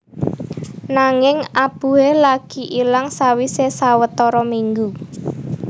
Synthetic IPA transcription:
naŋɪŋab̥ṳelaɡ̥i̤ʔilaŋsawisesawət̪ɔɾɔmiŋɡu

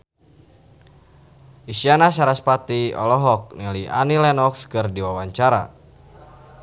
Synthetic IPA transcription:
ʔisianasaɾaspat̪iɔ̰lɔɦɔk̚nilia̰nilɛnɔkskɨrdiwawaɲt͡ʃaɾa̰

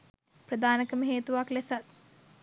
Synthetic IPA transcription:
prəd̪aːnəkəməɦeːt̪uʋaklesat̪̚

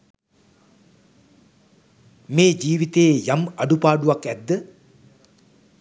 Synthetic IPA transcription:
meːd͡ʒiːʋit̪eːjamaɖupaːɖuʋakæd̪ːə

